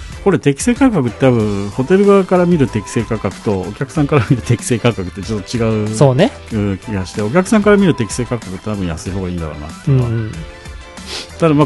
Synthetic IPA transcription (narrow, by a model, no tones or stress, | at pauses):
ko̞ɾe̞t̪e̞kʲi̥se̞ːkakakɯ̟t̪ːet̪aβɯ̟̃ɰ̃ho̞t̪e̞ɾɯ̟ɡaakaɾamʲiɾɯ̟t̪e̞kʲi̥se̞ːkakakɯ̟̥t̪o̞o̰kʲakɯ̟̥sãŋkaɾamʲiɾɯ̟t̪e̞kʲi̥se̞ːkakːakɯ̟t̪ːet͡ɕot̪ːot͡ɕiɡaɯ̟soːne | ɯ̟̃ːkʲiɡaɕi̥t̪e̞o̞k̬ʲakɯ̟̥sãŋkaɾamʲiɾɯ̟t̪e̞kʲi̥seːkakːakɯ̟t̪ːet̪abɯ̟̃ja̰sɨiho̞ːɡaiːnd̪a̰ɾ̰na̰t̪ːẽ | t̪ad̪amaː